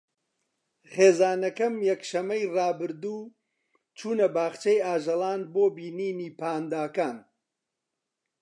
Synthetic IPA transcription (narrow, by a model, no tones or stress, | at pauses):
χeːzaːnɐkɐmjɐkʃɐmːɐjrɑːbɨɾd̪uː | t͡ʃʰuːnɐbaːχt͡ʃejaːʒɐlˠaːnboːbiːniːniːpʰaːnd̪aːkaːn